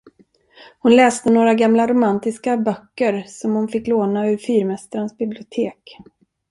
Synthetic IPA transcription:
hʊnlɛːst̪ənoːɾaɡamlaɾʊmant̪ɪskabœkːəɾsɔmhʊnfɪkːloːnaɵɾfyːɾmɛst̪ɾənsbɪblɪʊt̪ʰeːk

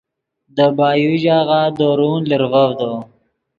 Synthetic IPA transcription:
d̪əbɑːjuʒɑːɣaːd̪oɾunliɾvəvd̪o

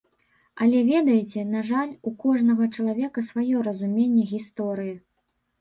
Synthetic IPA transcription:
ɐlʲɛvʲɛd̪ɐjt͡sʲɛnaʐalʲukɔʐnɐɣɐt͡ʂɐlˠavʲɛkɐsvajɔɾɐzumʲenʲːɛɣʲist̪ɔɾɨjɐ

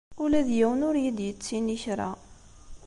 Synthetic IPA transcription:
ulæðjæwənʊɾjid̪jət͡sːiniçɾˤɑ̰

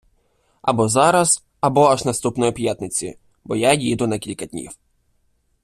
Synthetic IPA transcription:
ɐ̰bɔzɑɾɐz | ɐbɔɐʒnɐst̪upnɔjɔpjat̪nɪt͡sʲḭ | bɔjajid̪ʊnɐkʲilʲkɐd̪ʲnʲḭw

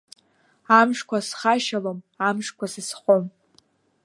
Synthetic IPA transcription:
amʂkʷʰasχaʃalom | amʂkʷʰasɨsχʷom

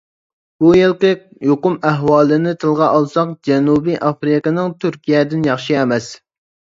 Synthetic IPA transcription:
b̥ujelˠqəjoqʊmæɦwɑːlˠɨnɪt̪ʰɨlˠʁɑʔɑlˠsɑqd͡ʒɛnubiʔɑfɾɪkɨnɨŋt̪ʰyɾkʲʰijɛd̪ɪnjɑχʃiɛmɛs

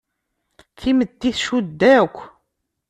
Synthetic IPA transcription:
kiməd̪ːiθʃud̪ːækʷː

